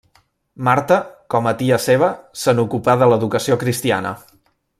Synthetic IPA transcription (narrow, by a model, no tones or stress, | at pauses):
maɾt̪əkɔmət̪iəseβ̞əsənukupaðələðukəsiokɾist̪ia̰nə̰